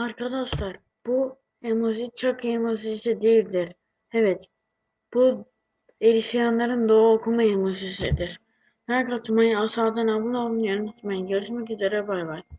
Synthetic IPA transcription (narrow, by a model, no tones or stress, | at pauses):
aɾkʰad̪aʃlˠaɾ | b̥u | emozit͡ʃʰakemosizisid̪ijilʲd̪iɾ | ɛvɛt̪ | b̥u | eɾiʃijanlˠaɾɯnd̪oːokʰumaemosizsid̪iɾ̥ | hæɾkʰat͡ʃmajɯasaːd̪anamunolˠnjønɯnat͡ʃ̪majɯɟøɾʃmɛcizeɾɛbajvaɾ